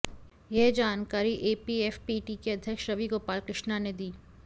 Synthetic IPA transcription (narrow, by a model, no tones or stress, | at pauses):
jeɦd͡ʒaːnkaːɾiʔeːpieːfpiːʈikeɐd̪ʱjəkʃɾɐʋiɡoːpaːlkɾɪʃnaned̪iː